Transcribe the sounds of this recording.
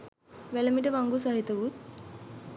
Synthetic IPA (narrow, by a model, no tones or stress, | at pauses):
ʋɛləmiʈəʋaŋɡusaɦit̪ɐʋut̪̚